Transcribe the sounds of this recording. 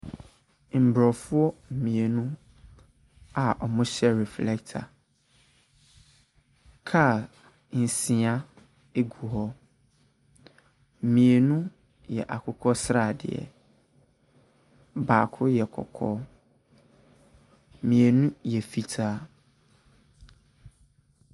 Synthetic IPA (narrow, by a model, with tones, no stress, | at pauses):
m̩˨bɾɔ˨fʊ˦ɔ˦m̩˨mĩ˨e˨nũ˦ | a˨ʔɔ˨mʊ̃˦ɕɛ˦ɾɛ˨flɛ˦ktʰa̰˨ | kʰa˦˨ | n̩˨sĩ˨a˦ | e˦ɡu˨ɦɔ˦˨ | mĩ˨e˨nũ˦ | jɛ̰˨ʔa˨kʰʊ˦kʰɔ˦sɾa˨dɪ̰˨ɛ̰˨ | baː˨kʰʊ˦jɛ˨kʰɔ̰˨kʰɔ̰˦˨ | mĩ˨e˨nũ˦jɛ˨fi˦tʰaː˦